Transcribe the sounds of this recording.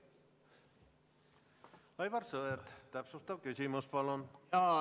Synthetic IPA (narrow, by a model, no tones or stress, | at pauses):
ɑjvɑrsɤeɾt̪t̪æpsust̪ɑvkysʲimuspɑlonɑ